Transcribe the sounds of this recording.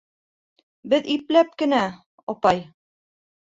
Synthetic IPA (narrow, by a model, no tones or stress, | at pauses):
bɘðiplæp̚kɘ̆næ | ɒpɑj